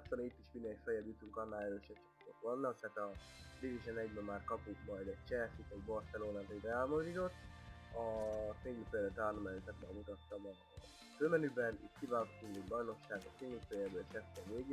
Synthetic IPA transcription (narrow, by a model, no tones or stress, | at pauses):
solnit̪ːiʃmind̪ɛkfɛjɛbjut̪uŋkɒnːaːlɛɾøːʃɛt͡ʃit̪ok̪ʋɒnːɒkt̪aːt̪ɒdiviʃɛnɛɟbɛmːaːrkɒpukmɒjd̪ɛct͡ʃɛsit̪ɛɟbo̞rsɛloːnaːt̪oɟbɛaːlmozit̪ot̪ːɒseŋyfɛjd̪ɛt̪aːrlɔmɛlt̪ɛt̪bɛ̰mut̪ɒt̪ːɒmɒ | føːmɛnybɛnḭt̪kivaːlkot̪ːuŋd̪oɟbɒjno̞kʃaːɡɒ̰t̪eːnufɛjɛbɛeːʃɛst̪ɛveːɡ